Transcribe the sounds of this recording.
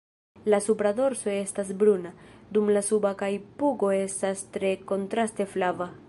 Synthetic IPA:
lasupɾado̞ɾso̞e̞stas̬bɾunad̪umlasubakajpuɡo̞e̞stastɾe̞ko̞ntɾaste̞flava

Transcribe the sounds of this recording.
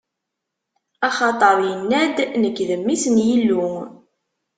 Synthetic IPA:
ɑχɑt̪ˤəɾˤjənːæd̪nəkːðəmːisənjilːu

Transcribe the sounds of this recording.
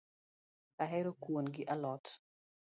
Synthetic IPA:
aɦɛɾokwonɡɪʔalɔt

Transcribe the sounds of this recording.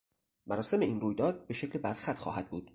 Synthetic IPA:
mæɾɒːse̞me̞iːnruːjd̪ɒːd̪̚be̞ʃe̞clebæɾxæt̪ʰxɒ̰ːhæd̪̚buːd̪̥

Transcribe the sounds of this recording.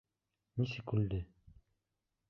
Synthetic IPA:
nisɘkʉld̪ɘ

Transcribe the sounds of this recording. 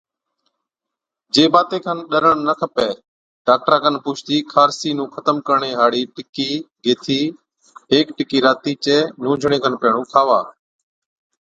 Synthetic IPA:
d͡ʒeːbaːt̪eːkʰənɗəɾəɳnəkʰəpeː | ɖaːk̚ʈɾaːkʰənpuːt͡ʃʰt̪iːkʰaːɾsiːnũːkʰət̪əmkəɾɳeːɦaːɽiːʈɪkiːɡeːt̪ʰiː | ɦeːkʈɪkiːɾaːt̪iːt͡ʃeːnũːd͡ʒʱɳ̃ẽːkʰənpeːɳ̃ũːkʰaːʋa̰ː

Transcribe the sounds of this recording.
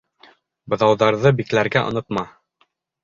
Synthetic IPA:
bɤ̆ðɑwðɑɾðɤbiklæɾɡæʔŏ̰nɤ̆t̪mɑ

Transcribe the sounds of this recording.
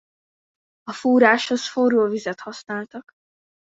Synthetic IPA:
ɒfuːɾaːʃho̞sforoːvizɛt̪hɒsnaːlt̪ɒk

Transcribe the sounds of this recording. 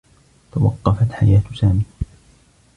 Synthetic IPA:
t̪awɑ̰qːɑfat̪ħajaːt̪saːmiː

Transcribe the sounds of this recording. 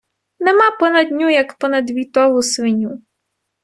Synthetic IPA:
nemapɔnɐd̪ʲnʲujɐkpɔnɐd̪ʋʲit̪ɔɦʊsʋɪnʲu

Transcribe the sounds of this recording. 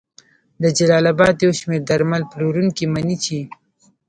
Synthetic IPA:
d̪əd͡ʒalɑlabɑd̪jawʃmeɾd̪aɾmalploɾuŋkimanit͡ʃʰi

